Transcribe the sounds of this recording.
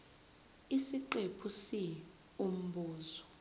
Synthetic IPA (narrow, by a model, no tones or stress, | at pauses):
isiǃepʰusi | um̩buːzɔ